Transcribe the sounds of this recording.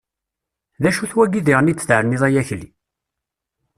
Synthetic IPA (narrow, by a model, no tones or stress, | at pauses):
ðæʃuθwæɡiðiʁnit͡sːθʕəɾniðˤæjæçli